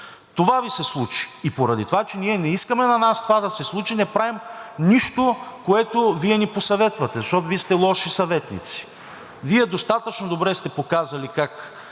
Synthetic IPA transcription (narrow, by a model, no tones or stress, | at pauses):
t̪ovavisɛslˠut͡ʃi̥ːpoɾɐd̪it̪ovat͡ʃɛniɛnɛiskəmɛnɐnast̪ovad̪ɐsɛslˠut͡ʃinɛpɾavim | niʃt̪okoɛt̪oviɛniposɐvɛt̪vɐt̪ɛzɐʃt̪ɔt̪oviɛst̪ɛlˠɔʃisɐvɛt̪nḭt̪si̥ | viɛd̪ost̪at̪ət͡ʃnod̪obɾɛst̪ɛpokazɐlikak